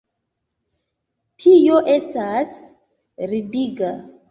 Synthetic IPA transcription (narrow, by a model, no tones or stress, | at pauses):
tʰijo̞ʔe̞stas | ɾidiɡa